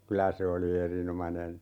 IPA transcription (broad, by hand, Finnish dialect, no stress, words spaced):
kylæ se oli erinomɑnen